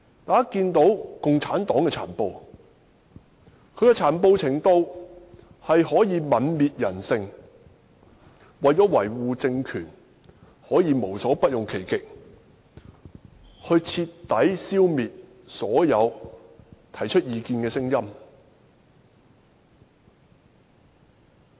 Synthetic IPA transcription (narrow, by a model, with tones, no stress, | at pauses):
t̪aː˨˥kiː˧nt̪o˨˥wkʊ˨ŋt͡sʰaː˨˥nt̪ɔː˨˥ŋkɛː˧t͡sʰa̰ː˨˩npo˧w | kʰɵ˨˧ɥkɛː˧t͡sʰaː˨˩npo˧wt͡sʰɪ˨˩ŋt̪o˧w | hɐ˨jhɔː˨˥jiː˨˧mɐ˨˧nmiː˨t̚jɐ˨˩nsɪ˧ŋ | wɐ˨jt͡ʃɔː˨˥wɐ˨˩jwuː˨t͡sɪ˧ŋkʰyː˨˩n | hɔː˨˥jiː˨˧mo˨˩wsɔː˨˥pɐ˥t̚jʊ˨ŋkʰe˨˩jkɪ˨k̚ | hɵ˧ɥt͡sʰi˧t̪ːɐ˨˥jsiː˥wmiː˨t̚ | sɔː˨˥jɐ˨˧w | t̪ʰɐ˨˩jt͡ʃʰɵ˥t̚jiː˨˧kiː˧nkɛː˧sɪ˥ŋjɐ˥m